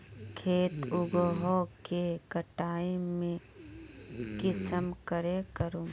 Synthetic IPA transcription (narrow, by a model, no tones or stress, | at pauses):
kʰeːt̪ʊɡɦokekəʈaːimẽ | kɪsəmkəɾekəɾoː